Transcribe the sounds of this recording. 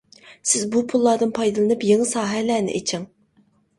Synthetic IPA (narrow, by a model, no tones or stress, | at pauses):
sɪzbupʰulˠːɑːd̪ɨnpʰɑjd̪ɨlˠɨnɨpjeŋɨsɑːɦɛlæːnɪ̰ʔet͡ʃʰɪŋ